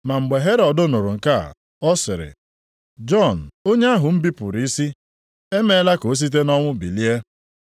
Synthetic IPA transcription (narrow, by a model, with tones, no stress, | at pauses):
ma˨ŋ͡m̩˨ɡ͡be˨ɦe˦ɾɔ˨dʊ˦no˨ɾʊ˨ŋ̩˨ka˦˨ | ɔ˦sɪ˨ɾɪ̰˨ | d͡ʒɔ˦˨n̩˨o˦ɲe˦a˦ɦʊ˨m̩˦bi˦pʊ̰˨ɾi˨˦i˦si˦ | e˦me˦la˦ko˨˦s̬i˦t̬e˦nɔ˦ŋʷʊ˦bi˨li˦e˦